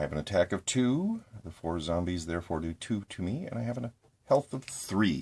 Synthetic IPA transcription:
jɨvɨ̃nɨtʰækʌv̥tʰʉðəfɔɹzɑ̃mbizðɛɹfɔɹdɨtʰʉɾɨmiɨ̰̃naɪɨṽn | hɛlˠθʌv̥θɹi

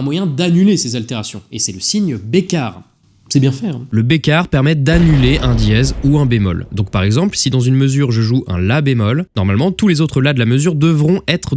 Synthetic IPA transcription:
ɛ̃mwajɛ̃d̪anylesezalt̪eʁasjɔ̃esɛləsiɲbekaːʁ | sɛbjɛ̃fɛɛ̰̃ləbekaʁpɛʁmɛd̪anyleʔɛ̃d̪jɛzuɛ̃bemɔ̰ld̪ɔ̃k̚paʁɛɡzɑ̃plsid̪ɑ̃zynməzyʁʒəʒuʔɛ̰̃labemɔlnɔʁmalmɑ̃t̪ulezot̪χəlad̪əlaməzyʁd̪əvʁɔ̃ʔɛt̪χ

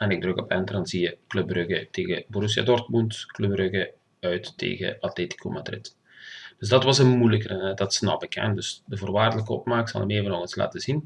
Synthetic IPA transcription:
ɛnɪɡ̚drøkɔpɛntərɑnziəkløbrøɣəteːɣəboɾus̬ja̰dɔrtmuntkløbrøɣə | œɥtːḛːɣə̰ʔatleːti̥kʰo̰madrɪt | d̥øzdɑtʋɑsənmujləkərənɛdɑtsnɑ̰pəkɛ̰ndøsdəvoːrʋaːrdələkəɔ̰pmaːksɑ̰lˠəmeːvənɔɣənsla̰ːtəzin

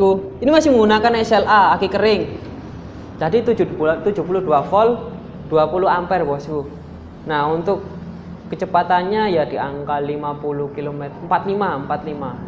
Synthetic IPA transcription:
kuinimasɪhməŋɡunakanɛsɛlaakikəɾɪŋ | d͡ʒadit̪ud͡ʒuut̪ud͡ʒupulʊhduafɔl | d̥uapuluampɛrbɔsku | nahunt̪ʊkː | ət͡ʃəpat̪anɲajad̥iaŋkalimapuluhkilomɛt̪əmpat̪limaəmpat̪lima

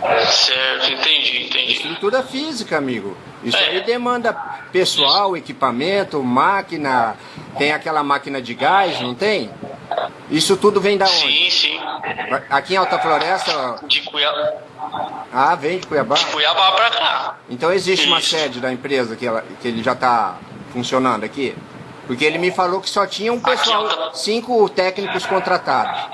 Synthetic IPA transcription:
sɛɾt̪ʊĩt̪ẽd͡ʒiĩt̪ẽd͡ʒɪḭst̪ɾut̪uɾɐfizikɐamiɡʊ̰ | ḭsʊaid̪emɐ̃nd̪ɐpesuawekipamẽnt̪ʊmakinɐ | t̪ẽj̃akɛlɐmakinɐd͡ʒɪɡajznɐ̃w̃t̪ẽj̃ | isʊt̪ud̪ʊvẽj̃d̪ɐõĩsĩvaakiẽawt̪ɐfloɾɛst̪ɐd͡ʒikuja | avẽj̃d͡ʒɪkujabakujabapɾaka̰ẽt̪ɐ̃w̃ezist͡ʃɪũmɐsɛd͡ʒɪd̪ɐẽmpɾezɐkɪɛlɐ̰kɪelɪʒat̪a | fũsionɐ̃nd̪ʊaki | pʊɾkeelɪmɪfalokɪ̥sɔt͡ʃĩɲɐ̃ũppesasĩkʊt̪ɛknikʊskõnt̪ɾat̪ad̪ʊs

